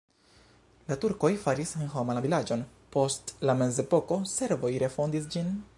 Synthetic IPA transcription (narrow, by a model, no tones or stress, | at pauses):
latuɾko̞jfaɾisenhomalavilad͡ʒo̞n | po̞stlame̞ze̞po̞ko̞se̞ɾvo̞jɾe̞fo̞ndis̬d͡ʒin